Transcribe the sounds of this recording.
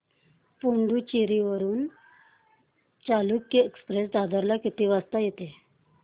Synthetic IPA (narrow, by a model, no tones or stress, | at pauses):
puɳɖuːt͡ɕiɾiʋəɾuːn | t͡saluːkːiekspɾesd̪ad̪əɾlakit̪iːʋast̪ajet̪e